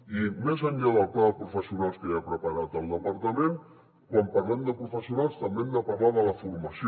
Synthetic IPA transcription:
imezəɲʎaðəlˠkaðəpɾufəsiunalˠskəapɾəpəɾat̪əlˠd̪əpəɾt̪əmẽn | kwampərlɛmd̪əpɾufəsiunalˠst̪əmbɛmd̪əpərlaðələfuɾməs

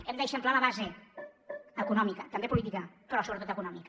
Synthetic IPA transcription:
ɛmd̪əzəmplaləβaze | əkunɔmikət̪əmbepulit̪̬ikəpɾɔsoɾət̪ot̪əkunɔmik

